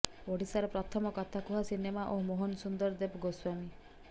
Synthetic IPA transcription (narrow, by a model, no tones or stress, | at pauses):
oɽisaɾɔpɾɔt̪ʰɔmɔkɔt̪ʰakuɦasinemaʔomoɦɔnɔsund̪ɔɾd̪ebɡoswami